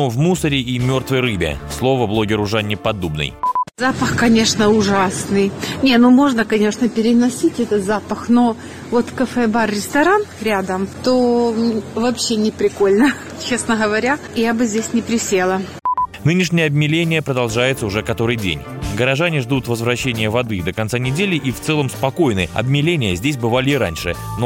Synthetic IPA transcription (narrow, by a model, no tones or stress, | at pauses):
ovmusəɾʲɪʔimʲo̞rt̪vəjrɨbʲɪ̰slˠo̞vəblˠo̞ɡʲɪɾʊʐanʲːɪpɐd̪ubnɨ̰jzapəxkɐnʲe̞ʂnəʊʐasnɨjnʲe̞numo̞ʐnəkɐnʲe̞ʂnəpʲɪɾʲɪnɐsʲitʲɛt̪ət̪zapəxno̞ | vo̞t̪kəfɛbarːʲɪst̪ɐɾanɾʲad̪əmt̪o | vɐpɕːenʲɪpɾʲɪko̞lʲnə | t͡ɕe̞snəɣəvɐɾʲa | jabɨzʲdʲesʲnʲɪpɾʲɪsʲe̞lˠə | nɨnʲɪʂ̬nʲɪjəɐb̚mʲɪlʲenʲɪjəpɾəd̪ɐlˠʐajɪt̪səʊʐɛkɐt̪o̞ɾɨjdʲḛnʲ | ɡəɾɐʐanʲɪʐd̪ut̪vəzvɾɐɕːenʲɪjəvɐd̪ɨd̪əkɐnt̪sanʲɪdʲelʲɪʔift̪sɛlˠəmspɐko̞jnɨɐ̰bmʲɪlʲenʲɪjəzʲdʲes̬ʲbɨvalʲɪɪɾa̰nʲʂɨ̰no